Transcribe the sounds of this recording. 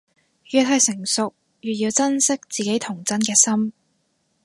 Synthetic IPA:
jyː˨˩t̪̚ɦɐ˨˧jsɪ˨˩ŋsʊ˨k̚ | jyː˨t̚jiː˧wt͡sɐ˥nsɪ˥k̚t͡siː˨ke˨˥jt̪ʰʊ˨˩ŋt͡sɐ˥nkɛː˧sɐ˥m

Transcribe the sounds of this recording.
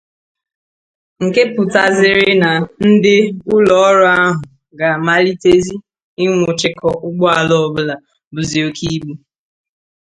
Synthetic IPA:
ŋ̩˨ke˦pʊ˨ta˨zɪ˨ɾɪ˦na˨n̩˦dɪ˦ʊ˦lɔ˨ɔ˦ɾɔ˦a˦ɦʊ˨ | ɡa˨ma˦li˦te˦zi˦ | ɪ˦ŋʷʊ˨t͡ʃɪ˦kɔ˦ʔʊ˦ɡ͡bɔ˦a˨lɔ˦ɔ˨bʊ˦la˨ | bʊ˨zi˨o˦kʰi˦ɡ͡bu˦

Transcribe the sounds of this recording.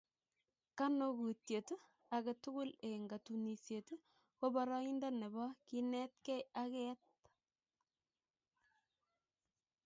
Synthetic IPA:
ka˦no˦ɡu˨tje˨tu˦ | a˨ɡe˨tʊ˦ɡʊ˦le˨ŋɡa˨tu˨ni˨sje˨tu˦ | ko˦ba˦ɾɑ˦i˦nda˦ne˨bɔ˦ki˦nɛ˦t̚kɛ˦ja˦kɛ˦t̚

